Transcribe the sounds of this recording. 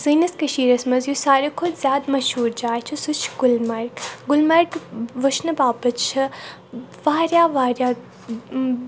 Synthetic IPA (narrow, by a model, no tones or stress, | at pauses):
zɨːnɐskɐʃiːɾɐsmɐzjusaːɾekʰʊd̪zʲjaːd̪mɐʃhuːɾd͡ʒaːt͡ʃʰusut͡ʃʰɡʊlmɐɾkɡʊlmɐɾkʋɐʃnɐbaːbɐt͡ʃʰɐ | ʋaːɾjaːʋaːɾjaː